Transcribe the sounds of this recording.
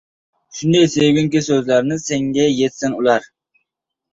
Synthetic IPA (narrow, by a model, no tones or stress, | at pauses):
ʃund̪ejseɡʲyŋkʲisøzlæɾnɪseŋɡʲɛjet̪sɪnulˠɑɾ